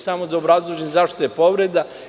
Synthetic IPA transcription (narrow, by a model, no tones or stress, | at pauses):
samod̪aobɾazlˠoʒenzaʃt̪ojepo̞ʋɾed̪a